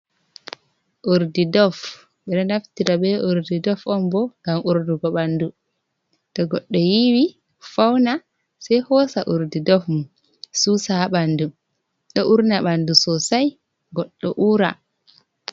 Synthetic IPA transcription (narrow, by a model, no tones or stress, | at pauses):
ʔoɾdidɔf | ɓɛɗɔnaftiɾabɛʔoɾdidɔfɔmbɔɡamʔuɾduɡɔɓandu | tɔɡɔɗːɔjiwi | fawna | sajhɔsaʔuɾdidɔfmun | susaɓandu | ɗɔʔuɾnaɓandusɔsaj | ɡɔɗːɔʔuːɾa̰